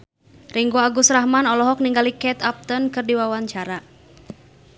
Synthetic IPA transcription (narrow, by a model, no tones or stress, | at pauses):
riŋɡoaɡusrahmanɔlɔɦɔk̚niŋɡalikɛt̪ap̚t̪ənkɨrdiwawaɲt͡ʃaɾa